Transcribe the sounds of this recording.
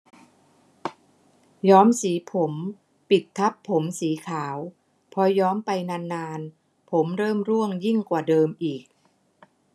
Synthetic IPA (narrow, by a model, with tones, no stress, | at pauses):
jɔː˦˥msiː˩˦pʰo˩˦m | pi˨˩t̪ʰːa˦˥pʰːo˩˦msiː˩˦kʰaː˩˦w | pʰɔ˧jɔː˦˥mpa˧jnaː˧nːaː˧n | pʰo˩˦mɾɤː˥˩mɾu˥˩əŋji˥˩ŋkwaː˨˩dɤː˧mʔiː˨˩k̚